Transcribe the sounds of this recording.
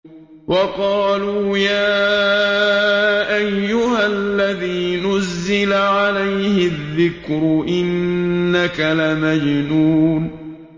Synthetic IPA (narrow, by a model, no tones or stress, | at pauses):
wɑqɑːluːjaː | ʔajːʊhalːaðiːnʊzːɪlaʕalajhɪðːɪkɾʊʔɪnːakalamad͡ʒnuːn